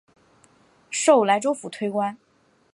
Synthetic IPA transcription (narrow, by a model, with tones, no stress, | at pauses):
ʂo˥˩ʊla˧˥ɪʈ͡ʂo˥ʊfu˨˩t̪ʰwe˥ɪkwa˥n